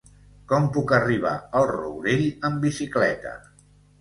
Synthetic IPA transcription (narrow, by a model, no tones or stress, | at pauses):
kɔmpukəriβ̞a̰əlˠrṵwɾeʎəmbisiklɛ̰t̪ə̰